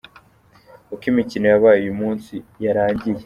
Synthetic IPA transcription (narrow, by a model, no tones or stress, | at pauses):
ukimicino̞jaβaːjujumuːnsijaɾaːɲɟije